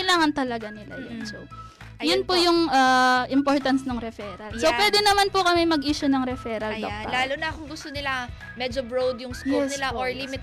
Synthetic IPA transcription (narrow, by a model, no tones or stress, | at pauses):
kɐjlaːŋɐnt̪ɐlɐɡanɪla̰jʊ̰nso | jʊnpojʊŋʔɐʔɪmpoɹt̪ɐnsnɐŋɾɛfɛːɾɐlsopwɛːd̪ɛnɐmanpʊkɐmɛmɐɡʔiːʃʊnɐŋɾɛfɛːɾɐld̪oɐ̰laːlʊnɐkʊŋɡʊst̪onɪla | mɛd͡ʒobɹowd̪jʊŋskuɛsnɪlaʔoɹlimɪt̪